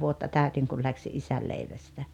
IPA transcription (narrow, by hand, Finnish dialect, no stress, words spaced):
ʋuotːɑ tæˑytiŋ kul læksi ʔisæl leiʋæstæ